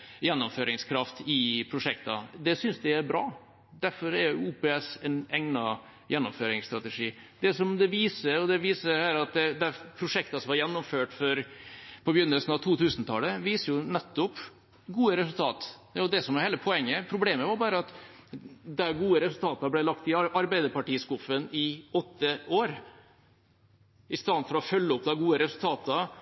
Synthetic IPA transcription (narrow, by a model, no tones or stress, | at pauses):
jɛnːʊmføːɾɪŋskʰɾɑft̪ɪpʰɾʊʂɛk̚t̪ɑd̪ɛsʏnsd̪ɛæɾbɾɑː | d̪æɾfɔɾæɾjʊuːpɛːɛsɛnɛŋnɑ | jɛnːʊmføːɾɪŋst̪ɾɑt̪ɛʂiːd̪ɛsɔmd̪ɛʋiːsəɔd̪ɛʋiːsəhæːɾɑt̪̚d̪ɛd̪æpʰɾʊʂɛk̚t̪ɑsɔmʋɑɾjɛnːʊmføːʈfɔɾpʰɔbjʏnːəlsnɑʋt̪ʰuːt̪ʰʉːsnt̪ʰɑləʋiːsəjʊnɛt̪ːɔp | ɡuːəɾɛsʉlt̪ʰɑːt̪ːd̪ɛsɔmʋɑɾheːləpʰɔɛŋːəpʰɾʊbleːməʋɑɾbɑːɾəɑt̪ | d̪ɛɡuːəɾɛsʉlt̪ʰɑːt̪ɑblæɪlɑkt̪ɪʔɑɾbæɪd̪əpɑʈiːskʊfənɪɔt̪ːəoːɾ | ɪst̪ɑːfɔɾɔfœlːəɔp̚d̪ɑɡuːəɾɛsʉlt̪ʰɑːt̪ɑ